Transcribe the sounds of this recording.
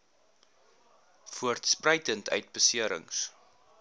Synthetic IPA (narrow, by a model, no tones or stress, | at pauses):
fuərtsprəjtəntʰœ̰ɥt̚bəsiəɾə̰ŋs